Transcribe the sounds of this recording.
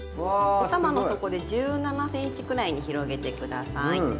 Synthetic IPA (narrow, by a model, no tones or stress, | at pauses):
at̪amano̞t̪o̞ko̞d̪e̞d͡ʑɨːnanasẽ̞ɰ̃it͡ɕi̥kɯ̟ɾaiɲ̟içiɾo̞ɡe̞t̪e̞kɯ̟d̪a̰sai